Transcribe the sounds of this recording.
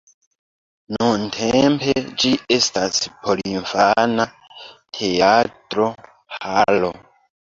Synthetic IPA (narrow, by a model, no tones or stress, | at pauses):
nuntʰemped͡ʒiʔestaspʰo̞liɱfana | tʰe̞atɾo̞ | halo